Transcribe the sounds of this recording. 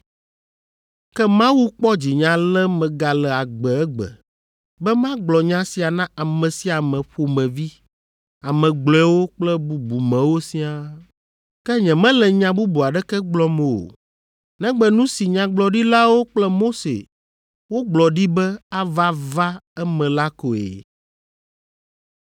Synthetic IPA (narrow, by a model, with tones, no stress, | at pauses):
kɛ˦mã˦wu˦k͡pɔ˦d͡ʑi˨ɲã˨lɛ˦mɛ̃˨ɡa˨lɛ˨a˨ɡ͡bɛ˨ɛ˦ɡ͡bɛ̰˨ | bɛ˦mã˦ɡ͡blɔ˨ɲã˦si˨a˨nã˦ʔa˨mɛ̃˨si˦a˨mɛ̃˨ɸo˨mɛ̃˨vi˦ | a˨mɛ̃˨ɡ͡blɔ˨ɛ˨˦wo˦k͡plɛ˦bu˨bu˨mɛ̃˨wo˦si˦a˦ | kɛ˦ɲɛ̃˨mɛ̃˦lɛ˨ɲã˨bu˦bu˨a˨ɖɛ˦kɛ˦ɡ͡blɔ˦mɛ˨o̰˨ | nɛ̃˦ɡ͡bɛ˨nũ˦si˨ɲã˨ɡ͡blɔ˨ɖi˦la˦wo˦k͡plɛ˦mo˦sḛ˨ | wo˦ɡ͡blɔ˨ɖi˦bɛ˦a˦va˦va˦ɛ˦mɛ̃˨la˦ko˨ḛ˨